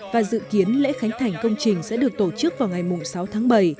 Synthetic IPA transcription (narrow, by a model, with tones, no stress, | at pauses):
vaː˨˩zɨ̰˧˨ki˨˦ənlɛ̰˧˥xa˨˦jŋ̟t̪ʰa˨˩jŋ̟kə˧wŋ͡mt͡ɕï˨˩ŋ̟sɛ̰˧˥ɗɨ˨˩ək̚t̪o˧˩t͡ɕɨ˦˥k̚vaː˨˩wŋ͡mŋa˨˩jmʊ˨˩ŋ͡msa˨˦wt̪ʰaː˨˦ŋɓə˧˩j